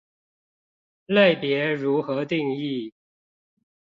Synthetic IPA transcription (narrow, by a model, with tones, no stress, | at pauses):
la˥˩ɪpjɛ˧˥ɻu˧˥xɤ˧˥t̪i˥˧ŋi˥˩